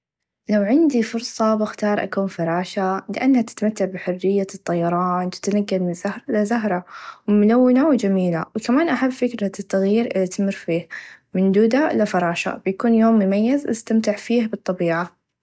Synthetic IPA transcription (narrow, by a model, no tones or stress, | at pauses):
lawʕɪnd̪ifʊɾˤsˤɑbɪxt̪ɑːɾˤʔa̰kuːnfɑɾˤɑːʃalɪʔanːhat̪ɪ̥t̪mat̪ːaʕbɪħʊrːɪjːat̪ˤːɑjːɑɾˤɑːnwɪ̥t̪anaɡːalmɪnzahɾˤlazaɦɾˤawmʊlawːɪnawd͡ʒamiːla̰wkamaːnʔaħabːfɪkɾat̪ːaɣjiːɾʔɪlat̪amɪɾfiːh | mɪnd̪uːd̪alafɑɾˤɑːʃa̰bɪjakuːnjoːmːʊmajːazʔa̰st̪amt̪ɪʕfiːhbɨt̪ˤːɑbiːʕa